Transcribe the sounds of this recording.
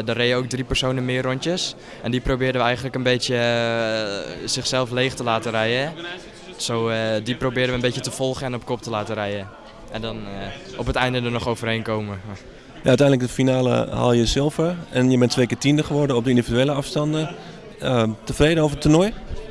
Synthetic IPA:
dɔrejəowk̚dripərsoːnəmɪːrɔntjəs | ɛndiprowbɪːdəʋəɛjɣəndələkənbetjə | sɪxsɛlˠfleːxtəlaːtərɛjə | soːdiprowbɪːɾəʋənbejətəfɔlˠχəɛnɔpkɔp̚təlaːtəɾɛjə | ɛndɔnɔpətɛjndədənɔxowvərheːnkoːmə | jaœtɛjndləɡdəfinaːlə̰ha̰lˠjəsɪlˠfərɛnjəbɛntʰʋejkɪːtindəχəʋɔɹdəɔp̚dəindividyeːləɑfstɑndə | təfreːdəoːvətʰunɔj

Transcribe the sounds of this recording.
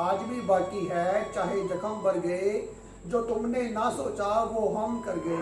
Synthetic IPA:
aːd͡ʒbʱibaːkiɦɛːt͡ʃaːɦed͡ʒəkʰəmbəɾɡəe | d͡ʒoːt̪ʊmnẽnasoːt͡ʃaʋoːɦəmkəɾɡəe

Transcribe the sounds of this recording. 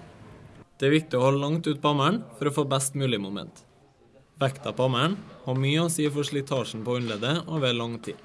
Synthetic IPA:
d̪̥ɛːɾʋɪk̚t̪ɪoːhɔləlɑŋt̪ʉːt̪̚pʰɑmæɳfɔɾoːfoːbæst̪mʉːlɪmʊmɛ̰nt̪ | ʋækt̪ɑpɑmæɳhɑːmyːəoːsiːfɔʂlɪt̪ʰɑːʃn̩poːʏnleːd̪əoːʋeːlɑŋt̪ʰḭː

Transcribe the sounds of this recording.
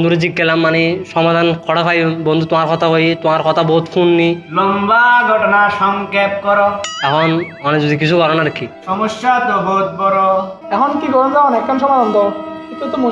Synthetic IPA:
nd̪ʱuɾed͡ʑik̚ɡelamːaneʃɔmad̪ʱankʰɔɽakʰajbɔnd̪ʱut̪omaɾkɔt̪ʰaɦojt̪omaɾkɔt̪ʰabɔɦut̪fʰunːilombaɡʱɔʈɔnaʃɔŋkep̚kɔɾɔɛkʰɔn | ɔned͡ʑud̪ik̬it͡ɕʰuɡʱɔɾɔnaɾkiʃɔmoʃːat̪ɔbɔɦut̪̚bɔɾo | ɛkʰɔnkiɡʱɔɾɔnd͡ʒɔkɔnɛk̚kʰanʃɔmad̪ɔnd̪ɔkit̪ʰut̪omu

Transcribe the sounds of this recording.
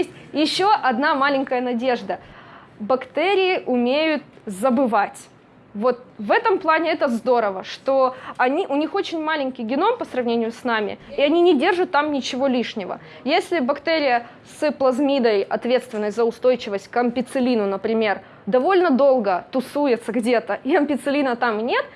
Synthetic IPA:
jesʲtʲjɪɕːoʔɐd̪namalʲɪnʲkəjənɐdʲe̞ʐd̪ə | bɐkt̪ɛɾʲɪjɪʔʊmʲejʊt̪̚zəbɨvatʲ | vo̞t̪̚vɛt̪əmplˠanʲɪɛt̪əzd̪o̞ɾəvəʂt̪o̞ɐnʲiʔʊnʲixo̞t͡ɕɪnʲmalʲɪnʲkʲɪjɡʲɪno̞mpəsɾɐvnʲenʲɪjʊsnamʲɪ̰iɐnʲinʲɪdʲe̞rʐʊt̪ːamnʲɪt͡ɕɪvo̞lʲiʂnʲɪvə̰ | jesʲlʲɪbɐkt̪ɛɾʲɪjə | sɨplˠɐzmʲid̪əjɐ̰t̪vʲe̞t̪st̪vʲɪnːəsʲt̪ʲzəʊst̪o̞jt͡ɕɪvəsʲt̚ʲkɐmʲpʲɪt̪sɨlʲinʊnəpɾʲɪmʲe̞r | d̪ɐvo̞lʲnəd̪o̞lˠɡət̪ʊsujɪt̪səɡdʲe̞t̪əʔiɐmpʲɪt̪sɨlʲinət̪amnʲe̞t̪

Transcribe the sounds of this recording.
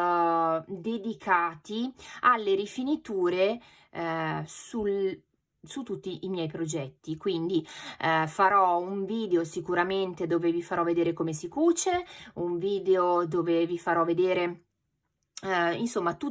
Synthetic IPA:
d̪ed̪ikʰaːt̪ialːeɾifinit̪uːɾe | su | sut̪ːut̪ːiʔimjɛjpɾod͡ʒɛt̪ːikwind̪i | faɾɔuɱviːd̪eosikuɾament̪ed̪oːvevifaɾɔved̪eːɾekomesikuːt͡ʃeuɱviːd̪eod̪oːvevifaɾɔvːed̪eːɾe | insomːat̪u

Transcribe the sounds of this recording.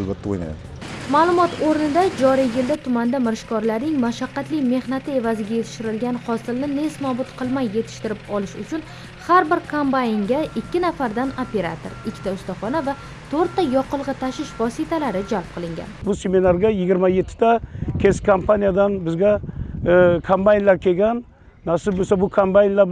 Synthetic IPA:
albat̪ʰːao̰jna̰j̰d̪ | maːlˠʊmɒt̪ʰoɾnɪd̪ad͡ʒɒɾijjɪld̪at̪ʰʊmand̪amɪɾʃkʰɒɾlaɾnɪŋmaʃaqːɑt̪lɪjme̞hnat̪ʰɪe̞vazɪɡʲaje̞t̪ʰɪ̥ʃɪɾɪlɡʲanhɒsɪlnɪne̞smɒbʊt̪qʰɨlˠmajːe̞t̪ʰɪ̥ʃt̪ɪɾɪpɒlɪʃʊt͡ʃʰʊn | haɾbɪɾkʰompanɪŋɡʲaʔɪkʲʰːɪnafaɾd̪anope̞ɾa̰t̪ʰo̰ɾɪkʲʰːɪt̪aʊst̪aχɒnava | t̪ʰoɾt̪ːajɒqʰɨlˠʁɨt̪ʰaʃɪʃvɒsɪt̪ʰalaɾɪd͡ʒalˠp̚qʰɨlɪŋɡʲa̰nbʊseminaɾɡʲajɪɡʲɪɾmaje̞t̪ʰːɪ̥d̪akʲʰeskʰompʰanijad̪anbɪzɡʲa | kʰampajnlaɾkʲʰeɡʲanː | aɾsɪbosabʊkʰompajnlaɾ

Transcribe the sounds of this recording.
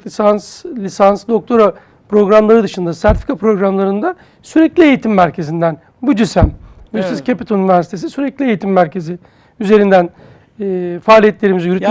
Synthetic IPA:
sanslʲisansd̪o̞k̚t̪ʰo̞ɾa | pɾo̞ɡɾamlˠaɾɯd̪ɯʃɯnd̪asæɾt̪i̥fʲikʰapɾo̞ɡɾamlˠaɾɯnd̪a | syɾeclʲiejit̪ʰimːæɾcʰe̞zind̪æn | bud͡ʒ̪ysæmjyst̪izcʰepit̪ʰoynivʲæɾsi̥t̪ʰe̞s̬isyɾɛclʲiejit̪ʰimːæɾcʰe̞zi | yze̞ɾind̪ænː | faːlʲijɛt̪lʲe̞ɾimizjyɾyt̪

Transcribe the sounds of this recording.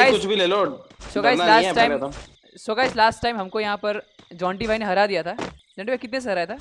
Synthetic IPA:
kaːʊt͡ʃbʱileːlosoːkaːilaːsʈːaɪm | soːkaːɪslaːsʈːaːɪmɦɐmkojɐɦãpɐɾd͡ʒɔ̃ːɳʈibʱaineɦɐɾad̪ijat̪ʰaːd͡ʒɔ̃ːɳʈibaikɪt̪nes̬eɦɐɾaːet̪ʰaː

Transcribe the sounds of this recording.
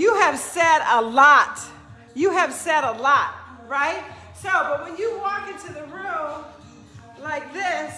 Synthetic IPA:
jɨɨv̥sɛɾəlɔt | jɨɨv̥sɛɾəlɔt̚ɹaɪt̚ | soʊbʌt̚wɨ̃njɨwɔkɪ̃ntʉðɨɹũm | laɪk̚ðɪs

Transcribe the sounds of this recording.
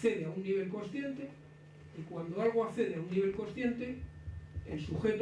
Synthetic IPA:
θe̞ðeaunːiβ̞e̞lkonsθje̞nt̪e̞ | ikwand̪oalɣ̞oakθe̞ðeaunniβ̞e̞lko̞nsθje̞nt̪e̞ | ḛlsuxe̞t̪

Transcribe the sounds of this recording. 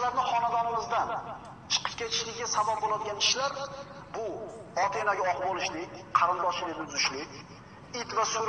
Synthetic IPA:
laɾnɪχɒnad̪ɒnɪmɪzd̪an | t͡ʃʰɨ̥qʰə̥p̚kʲʰe̞t̪ʰɪ̥ʃlɪɡʲɡʲasabab̚bolad̪ɪɡʲanʰɪ̥ʃlaɾ | bʊ | ɒt̪ʰe̞naɡʲaɒqbɒlˠɪʃlɪkʲqʰɑɾɪnd̪ɒʃɪdɪd̪ɪzʊʃlɪkʲ | ɪt̪vasʊɾ

